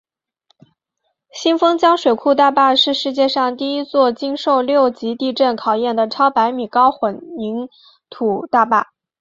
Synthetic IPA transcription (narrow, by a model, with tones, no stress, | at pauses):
ɕi˥nfɤ˥ŋt͡ɕjɑ˥ŋʂwe˨˩ɪkʰu˥˧t̪a˥˧pa˥˧ʂɻ̩˥˧ʂɻ̩˥˧t͡ɕjɛ˥˧ʂɑ˥˧ŋt̪i˥˩i˥t͡swɔ˥˩t͡ɕi˥ŋʂo˥˧ʊljo˥˩ʊt͡ɕi˧˥t̪i˥˧ʈ͡ʂə˥˩nkʰɑ˨˩ʊjɛ˥˩nd̪ə˩ʈ͡ʂʰɑ˥ʊpa˧˥ɪmi˨˩kɑ˥ʊxwə˨˩nmi˧˥ŋ | t̪ʰu˨˩t̪a˥˧pa˥˩